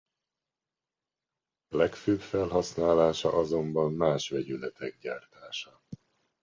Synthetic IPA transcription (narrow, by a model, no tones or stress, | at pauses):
lɛkføːbfɛlɦɒsnaːlaːʃɒ̰ʔɒzo̞mbɒmːaːʃʋɛɟylɛt̪ʰɛɡ̚ɟaːrt̪aːʃɒ